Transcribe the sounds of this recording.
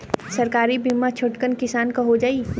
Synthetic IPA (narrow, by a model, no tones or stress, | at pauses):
sɐɾkaːɾibɪmːat͡ʃʰʊʈkənkɪsaːnkaɦod͡ʒaːiː